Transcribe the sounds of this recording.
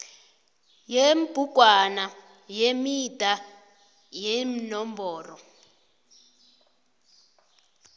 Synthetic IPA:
jemb̥ʱuɡ̥ʱwana | jemid̥ʱa | jeminɔmbɔːrɔ

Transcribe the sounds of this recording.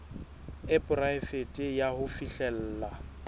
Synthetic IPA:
ɪpʼʊraɪfetʼɪjahʊfiɬɛl̩ːla

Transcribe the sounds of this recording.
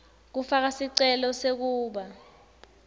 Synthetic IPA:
k̬ufak̬asiǀɛlɔsek̬uːɓa

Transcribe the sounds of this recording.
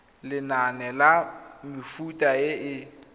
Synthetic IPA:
lɪnanɛlamɪfutʼaɪʔɪ

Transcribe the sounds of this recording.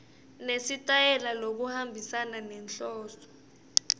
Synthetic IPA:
nesitʼajɛlalok̬uhambʱisananɛnɬɔːsɔ̥

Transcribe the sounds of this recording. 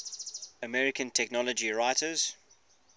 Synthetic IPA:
əmɛɹɪkʰə̃ntʰɛknɔləd͡ʒiɹaɪtəz̥

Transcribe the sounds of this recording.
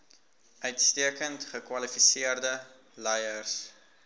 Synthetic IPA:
œɥtstiəkəntχəkwɐlifisiərdə | lɛjərs

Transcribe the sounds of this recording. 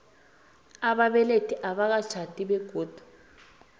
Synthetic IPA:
aɓaɓɛletʰiʔaɓak̬ḁt͡ʃʰatʼiɓɛɡ̥ʱoːd̥ʱu̥

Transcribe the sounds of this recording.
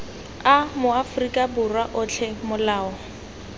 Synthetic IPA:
amʊafrikʼaburwaʔʊt͡ɬʰɛmʊlaːɔ

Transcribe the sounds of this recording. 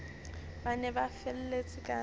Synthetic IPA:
banɛbafɛl̩let͡sʼɪkʼa

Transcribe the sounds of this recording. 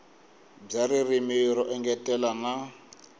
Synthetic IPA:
b͡ʐaɾirimiɾɔʔɛŋɡɛtʼɛlana

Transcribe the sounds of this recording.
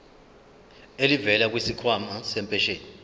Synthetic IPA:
elivɛlak̬wisikʰwamasɛmpʼɛʃeːni

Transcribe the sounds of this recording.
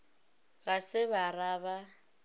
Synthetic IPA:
ɣasɪbaraːβa

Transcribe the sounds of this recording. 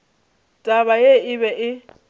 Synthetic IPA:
tʼaβajeɪβɛʔɪ

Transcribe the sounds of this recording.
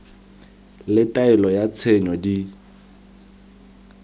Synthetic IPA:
lɪtʼaɛlɔjat͡sʰɛɲɔdi

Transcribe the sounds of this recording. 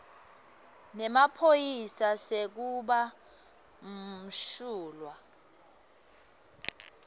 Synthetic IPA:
nɛmapʰojisasek̬uɓa | m̩ʃuːlwa

